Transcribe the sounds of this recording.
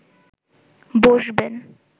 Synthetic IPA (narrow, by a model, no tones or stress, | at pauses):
boʒben